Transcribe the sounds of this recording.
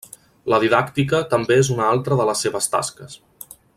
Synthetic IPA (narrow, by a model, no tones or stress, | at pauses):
ləðiðakt̪ikət̪əmbeezunalˠt̪ɾəðələsːeβəst̪a̰skəs